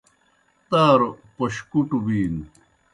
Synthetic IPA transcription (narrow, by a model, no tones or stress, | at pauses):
t̪aːɾopoɕkuʈubiːn